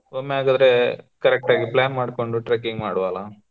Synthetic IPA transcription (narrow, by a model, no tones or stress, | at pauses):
oːmːeaːɡaːd̪ɾekɐɾɛk̚ʈaːɡiplaːnmaːɖko̞ɳɖuʈɾekiŋɡmaːɽuʋala